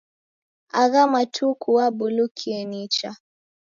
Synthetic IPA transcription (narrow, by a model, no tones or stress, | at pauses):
aɣamatʰukuwabulukʰiɛnit͡ʃa